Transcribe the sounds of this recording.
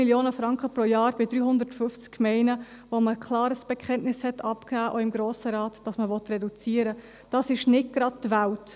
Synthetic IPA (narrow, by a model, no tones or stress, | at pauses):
iljoːnəfɾɑŋkχəpɾojɑːɾb̥ɪdɾyːɦʊnd̪ətfʏft͡skːmɛɪnə | ʋoməkχlɑːɾəsb̥ɛkʰχɛnʔnɪshɛtɑpkæːʔoɪmɡɾoːsəɾɑːtd̥ɑsməʋɔt̪rɛdut͡siːəɾə | d̥ɑsɪʃnɪt̚ɡ̥ɾɑd̚tʋælt